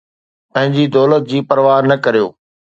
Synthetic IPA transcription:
pɐ̃ɦɪ̃ɲd͡ʑiːd̪ɔːlət̪̚d͡ʑiːpɐɾʋaːnːɐkɐɾijo̰ː

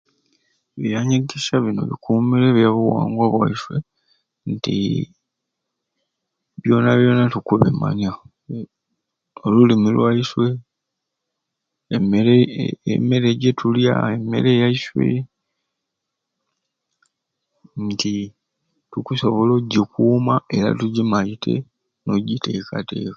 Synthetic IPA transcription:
βijaɲeɡeʃaβino̞̰βḭkʰumileβjjaβuwa̰ːŋɡwaβwa̰iswḛ | ntḭ | βjo̞naβjo̞natukuβḛma̰ɲa | olulimilwaiswe | emeɾeḛme̞ɾeɟetʰulja̰eme̞̰ɾe̞jaiswe̞̰ | nti | tukuso̞βo̞loɟikuːmae̞ɾa̰tuɟimaitʰe̞̰ | noɟite̞kʰate̞̰ːka

